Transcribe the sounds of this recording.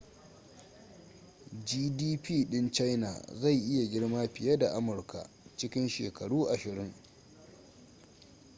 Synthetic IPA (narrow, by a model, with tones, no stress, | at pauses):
d͡ʒiː˦diː˦piː˦˨ɗɪ˦nt͡ʃa˦jna̰˨za˦˨jʔɪ˦ja˨ɡʲɪ˦ɽmaː˦ɸɪ˨ja˦da˨ʔa˦mʊ˨rkʰa̰˨ | t͡ʃɪ˦kʲɪ˦nʃḛː˨kɐ˨ɽuː˦ʔa˨ʃɪ˨ɾɪ˦ŋ